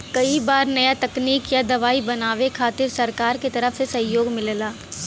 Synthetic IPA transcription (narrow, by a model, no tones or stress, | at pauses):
kɐibaːɾnɐjat̪ɐkniːkjad̪ɐʋaːibɐnaːʋekʰaːt̪ɪɾsɐɾkaːɾket̪ɐɾəfsesɐ̃ɦjoːɡmɪllaː